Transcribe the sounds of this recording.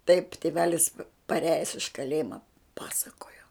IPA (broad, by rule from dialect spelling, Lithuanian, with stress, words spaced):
tɐɪp tʲeːˈʋʲæːlʲɪs pɐˈrʲæːjɛs ɪʃ kɐˈlʲeːjɪmɐ ˈpɑːsɐkoːjoː